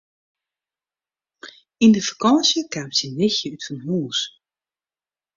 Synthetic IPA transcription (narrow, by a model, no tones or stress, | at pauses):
indəfḁkɔnsjəkaːmsinɪxjəytfɔnɦuːs